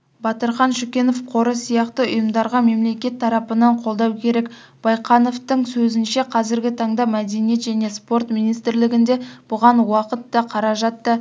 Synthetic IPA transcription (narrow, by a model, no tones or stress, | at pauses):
bɑt̪əɾχɑnʃʊkʲe̞no̞fqʰo̞ɾəsijɑqt̪əʊ̰jəmd̪ɑɾʁɑme̞mle̞kʲe̞t̪ʰːɑɾɑpənɑɴqʰo̞lˠd̪ɑwkʲʰe̞ɾe̞kb̥ɑjqɑno̞ft̪əŋsɵzɪnʃe̞qʰɑzɪɾɡʲɪt̪ʰɑɴd̪ɑmæd̪e̞nije̞t̪ʒæne̞spo̞ɾt̪minijst̪ɪɾlɪɡʲɪnd̪e̞b̥ʊʁɑnwɑqət̪ːɑqʰɑɾɑʒɑt̪ːə